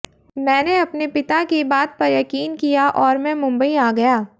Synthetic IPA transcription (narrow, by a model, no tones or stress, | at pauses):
mɛ̃ːneɐpnepɪt̪akibaːt̪̚pɐɾjɐkiːnkijaʔɔːɾmɛ̃mʊ̃mbəiaːɡɐjaː